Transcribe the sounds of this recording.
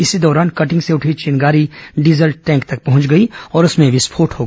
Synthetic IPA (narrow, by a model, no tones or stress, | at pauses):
ɪsid̪ɔːɾaːnkɐʈɪ̃ŋɡseʊʈʰit͡ʃiːnɡaːɾiɖizəlʈʈɛ̃ːŋkt̪ɐk̚pɐɦʊ̃nt͡ʃɡɐiɔːɾʊsmẽʋɪspʰoːʈɦoːɡ